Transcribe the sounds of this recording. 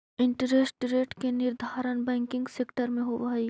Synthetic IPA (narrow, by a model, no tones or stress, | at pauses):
ɪ̃ɳʈəɾeːsʈɾeːʈkenɪɾd̪ʱaːɾənbɛ̃ːŋkɪ̃ŋɡseːkʈəɾmẽɦoʋaːi